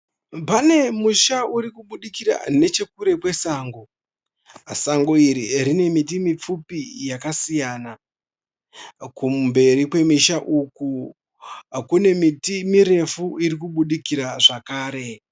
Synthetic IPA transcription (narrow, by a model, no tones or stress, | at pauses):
pane̞muʃauɾikuɓuɗikiɾa̰ne̞t͡ʃe̞kuɾe̞pwe̞saːŋɡo | saŋɡoiɾirine̞mit̬imip͡fupijakasijaːna | kumbe̞ɾikwe̞miʃaʔuku | kune̞mitimiɾe̞fuiɾik̬uɓuɗikiɾaʐakaːɾe̞